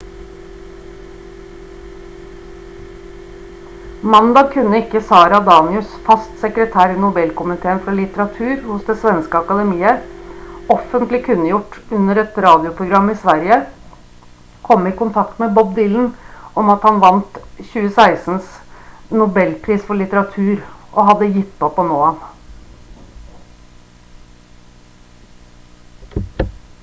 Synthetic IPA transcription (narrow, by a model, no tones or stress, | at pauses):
mɑnd̪ɑkʰʉnːəɪkːəsɑːɾɑd̪ɑːnɪʉsfɑst̪sɛkɾət̪ʰæːɾɪnʊbɛlkʊmɪt̪ʰeːənfɾɑlɪt̪əɾɑt̪ʰʉːɾhʊsd̪ɛsʋɛnskəɑkɑd̪ɛmiːə | ɔfənt̪lɪkʰʉnːəjʊʈːʉnːəɾɛt̪ɾɑːd̪ɪʊpʰɾʊɡɾɑmːɪsʋæɾjə | kʰɔmːɪkʊnt̪ʰɑk̚t̪mɛbɔbd̪iːln̩ɔmɑt̪hɑnʋɑnt̪çʉːəsæɪsn̩snʊbɛlpʰɾiːsfɔɭɪt̪əɾɑt̪ʰʉːɾʔɔɦɑd̪ːəjɪt̪ːpɔpʰɔnoːɑn